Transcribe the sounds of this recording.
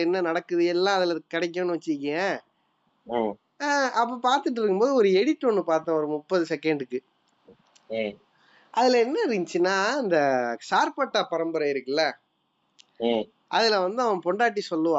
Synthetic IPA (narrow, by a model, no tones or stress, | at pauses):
ɛnːɐnɐɽɐkːɯðɯɛlːãːɐðɪlɐkːɐɽɛɪk̬ːõnːɯʋɐt͡ʃːɯɾkːẽ | ɐpːɐpaːɾt̪ɯʈ̬ːɯɾɯkːɯmpoːðɯɔɾɯɛɽɪt̪ːonːɯpaːɾt̪ãːɔɾɯmʊpːɐðɯsɛkɛɳɖɯkːɯ | ʔɐðɪlɐɛnːɐɾɪɲt͡ʃːɯnːaːɪnd̪ɐsaːɾpɐʈːapɐɾɐmbɐɾɐɪɾɯkːɐlːɐ | ʔɐðɪlɐʋɐnd̪ɯɐʋɐ̃pɔɳɖaːʈ̬ːisɔlːɯʋãː